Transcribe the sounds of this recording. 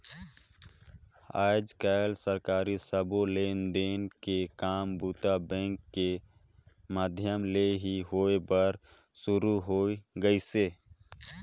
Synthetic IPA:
a̰ːd͡ʒkəlsəɾkaːɾisəboleːnd̪eːnkekaːmbuːt̪abɛ̃ːŋkːe | maːd̪ʱjəmleɦiɦoːebəɾ | sʊɾuɦoːiɡəiseː

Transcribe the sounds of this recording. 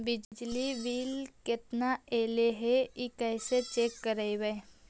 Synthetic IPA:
bɪd͡ʒd͡ʒliʋiːlkɪt̪naeːleɦeikɛːset͡ʃeːkːəɾəiwe

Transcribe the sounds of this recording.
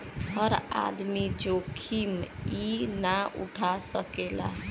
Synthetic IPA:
həɾa̰d̪mid͡ʒokʰiminaṵʈʰasəkela̰

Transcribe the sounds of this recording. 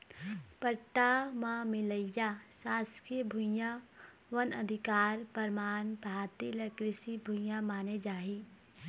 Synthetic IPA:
pəɾʈamãmɪləjasaːskʰiəbʱũjãʋɐnɐ̰d̪ʱɪkaːɾpəɾmaːnbʱaːt̪ilɐkɾɪsibʱʊ̃jãmaːned͡ʒaːɦiː

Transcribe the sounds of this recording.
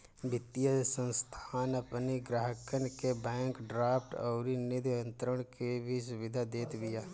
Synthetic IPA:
bɪt̪jəsə̃nst̪ʰaːnɐpniɡɾaːɦəkənkebɛ̃ːŋkɖɾaːpʰʈɔːɾinɪd̪ə̃nt̪ɾəɽ̃kebʱisʊʋɪd̪ʱad̪eːt̪bɪjaː

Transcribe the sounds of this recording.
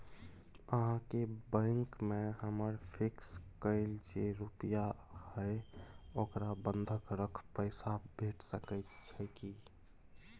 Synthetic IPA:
əɦãkebə̃ŋkmeɦəməɾpʰikskəɪld͡ʒeɾupəjahə | okɾabənd̪ʱəkɾəkʰpəɪsabʱeʈʰsəkət̪t͡ʃʰɛki

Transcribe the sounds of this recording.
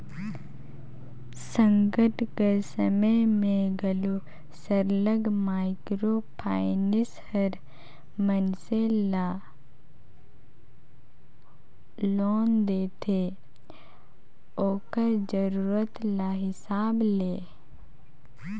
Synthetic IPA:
sə̃ŋɡəʈʰɡəɾsəməmẽɡɐlo | səɾləɡmaːɪkɾoːpʰaːɪnɪshəɾ | mənsela | loːnd̪eːt̪ʰe | oːkəɾd͡ʒəɾuːɾət̪laɦɪsaːbleː

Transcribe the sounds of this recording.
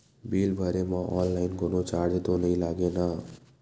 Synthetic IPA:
bilbʱʌɾemʌʔɔnlajnɡonot͡saɾd͡zet̪onʌjlaɡenʌ

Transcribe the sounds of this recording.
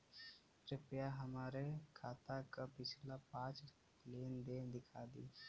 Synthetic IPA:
ʈɪpɪjaɦəmaːɾekʰaːt̪akapɪt͡ʃʰlapãːt͡ʃ | leːnd̪eːd̪ɪkʰaːd̪ḭː

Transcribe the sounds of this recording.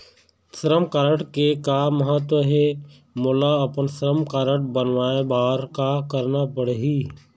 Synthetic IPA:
səɾəmkaːɾəʈkekaməɦət̪wəɦe | mʊlaɐpənsəɾəmkaːɾəʈ̚bənʋaːebaːɾkakəɾnapəɽeɦi

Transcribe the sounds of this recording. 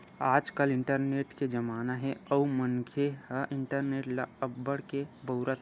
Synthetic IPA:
aːd͡ʒkəlɪ̃ɳʈəɾneːʈked͡ʒəmaːnaɦɛɔumənkʰehəʔɪɳʈəɾneːʈləəbːəɽkebəʊɾət̪

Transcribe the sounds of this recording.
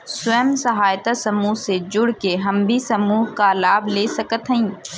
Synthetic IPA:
sʊɛːmsɐɦaːjt̪asɐmuːɦsed͡ʒʊɽkeɦɐmbʱisɐmuːɦkalaːbleːsɐkət̪ɦəĩː

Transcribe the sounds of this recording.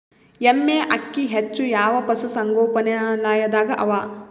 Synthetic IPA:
jemːeːʔɐkːiɦet͡ʃːujaːʋɐpɐsusɐŋɡoːpɐnɐlaːjɐd̪aːɡɐʔɐʋaː

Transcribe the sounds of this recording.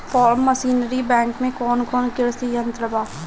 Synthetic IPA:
fʰɔːɾmːəsiːnəɾibɛ̃ːŋkmẽkɔːnkɔːnkɪɽsijə̃nt̪ɾəbaː

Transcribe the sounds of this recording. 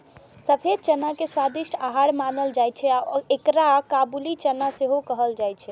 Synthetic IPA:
səpʰed̪̚t͡ʃənakeswad̪iʃʈʰaɦaɽmanəld͡ʒajt͡ʃʰɛaekɾakabulit͡ʃənaseɦokəɦəld͡ʒajt͡ʃʰɛ

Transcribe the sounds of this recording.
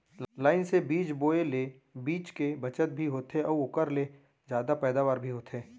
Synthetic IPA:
laːɪnsebiːt͡ʃboːele | biːt͡ʃkebɐt͡ʃət̪̚bʱiɦoːt̪ʰeʔɔːɾʊkəɾle | zjaːd̪apɛːd̪aːʋaːɾbʱiɦoːt̪ʰeː

